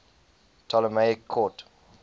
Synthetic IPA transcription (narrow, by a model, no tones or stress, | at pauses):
tʰɔləmeɪkʰːɔt